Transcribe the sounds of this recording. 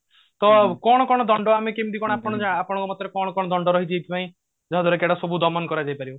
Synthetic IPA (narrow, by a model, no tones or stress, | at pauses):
t̪ɔkɔɽ̃ɔkɔɽ̃ɔd̪ɔɳɖɔamekemid̪ikɔɽ̃ɔapɔɽ̃ɔd͡ʒaapɔɽ̃ɔŋkɔmat̪ɾekɔɽ̃ɔkɔɽɔd̪ɔɳɖɔɾɔɦit͡ʃʰiet̪ʰipaĩ | d͡ʒɔɦɔd̪ʱɔɾekeɽasɔbud̪ɔmɔnkɔɾad͡ʒajpaɾibɔ